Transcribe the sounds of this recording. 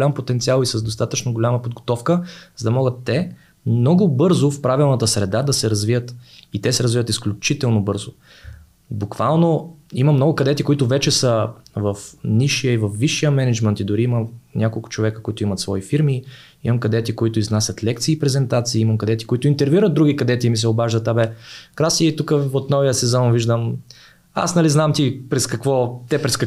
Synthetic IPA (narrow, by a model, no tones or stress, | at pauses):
lampot̪ɛnt̪sialˠisəzd̪ost̪at̪ət͡ʃnoɡolʲaməpod̪ɡot̪ɔfkəzəd̪ɐmɔɡət̪ːɛ | mnɔɡʊbɤɾzʊfpɾavilˠnɐt̪əsɾɛd̪ad̪ɐsɛɾɐzvijət̪it̪ɛsɛɾɐzvivət̪isklʲʊt͡ʃit̪ɛlˠnobɤɾzʊ | bukvalˠnoiməmnɔɡʊkɐd̪ɛt̪ikʊit̪ʊvɛt͡ʃɛsəvɐfniʃijəivɐfːiʃːijəmɛnɛd͡ʒmɛnt̪id̪ʊɾiimənʲʔakolˠkʊ̥t͡ʃovɛkəkoit̪ʊimɐt̪svɔifiɾmi | imɐmkɐd̪ɛt̪ikoit̪ʊiznasʲət̪lɛk̚t̪siːpɾɛzɛnt̪at̪siːimɐmkɐd̪ɛt̪i̥koit̪ʊint̪ɛɾviɾəd̪̚d̪ɾuɡʲikɐd̪ɛt̪imisɛobaʒd̪ət̪abɛkɾasiit̪ukəot̪nɔvijəsɛzɔnviʒd̪əm | a̰snɐliznamt̪ipɾɛskɐkvɔt̪ɛpɾɛskɐ